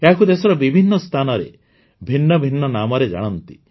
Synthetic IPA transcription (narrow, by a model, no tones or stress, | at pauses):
eɦakud̪esɔɾɔbibʱinːɔst̪ʰanɔɾḛ | bʱinːɔbʱinːɔnamɔɾed͡ʒa̰ɽ̃ɔnt̪i̥